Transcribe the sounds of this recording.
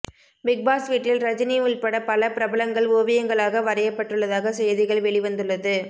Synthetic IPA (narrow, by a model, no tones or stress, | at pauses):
bɪk̚baːsʋiːʈːɪlɾɐd͡ʒɐniɪɭpɐɽɐpɐlɐpɪɾɐbɐlɐŋɡɐɭoːʋɪjɐŋɡɐɭaːɣɐʋɐɾɐjɐpːɐʈːɯɭːɐðaːɣɐsɛjɐðɪɣɐɭʋɛɭɪʋɐnd̪ɯɭːɐðɯ